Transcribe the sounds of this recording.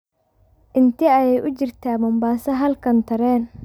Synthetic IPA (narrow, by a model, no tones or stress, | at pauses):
ʔɪnt̪ʰiɐjɛjʔʊt͡ʃɪrt̪ʰaːbɔmbaːsɐɦɐlkʰɐnt̪ʰɐɾɛːn